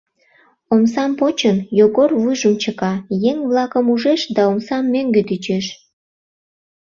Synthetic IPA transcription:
omsɑmpot͡ɕənjoɣorvujʒəmt͡ɕəkɑjeŋβlɑkəmuʒeʃd̪ɑomsɑmːøŋɡet̪yt͡ɕeʃ

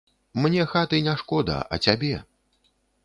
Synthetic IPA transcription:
mnʲɛxat̪ɨnʲaʂkɔd̪ɐ̰ʔɐ̰t͡sʲabʲɛ

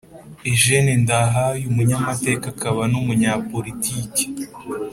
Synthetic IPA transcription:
iʒenindaɦajumuɲamate̞ːkakaβanumuɲaːpo̞ɾitiːce̥

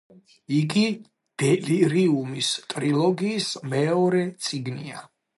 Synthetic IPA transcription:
iɡi | d̪̥ɛliɾiumist̪ʼɾilˠɔɡiːsmɛɔɾɛt̪sʼiɡnia

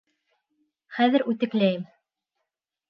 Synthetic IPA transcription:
χæðɘɾʉt̪ɘ̆klæjɘm

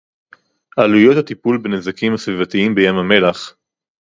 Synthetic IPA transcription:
ʔalujot̪hat̪ipulbenezakimhasvivat̪iimbejamame̞laχ

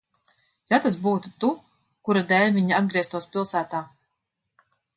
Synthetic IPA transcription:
jat̪asbuːt̪ut̪u | kuɾad̪ɛlʲviɲiad̪̚ɡɾiɛst̪uɔspʲilˠsæːt̪aː

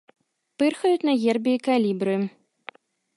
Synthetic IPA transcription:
pɨrxɐjut̪nɐɣerbʲiikalʲibɾɨ

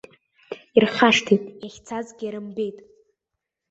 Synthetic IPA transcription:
irχaʂtʰitʼjaχʲt͡sʰazɡʲaɾɨmbe̞jtʼ

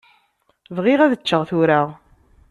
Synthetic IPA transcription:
vʁɪʁæðət͡ʃːəʁθʊɾaʁ

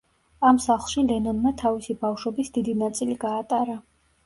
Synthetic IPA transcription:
amsaχlˠʃilɛnɔnmat̪ʰavisibafʃwɔbisd̪id̪inat̪sʼiliɡaːt̪ʼaɾa

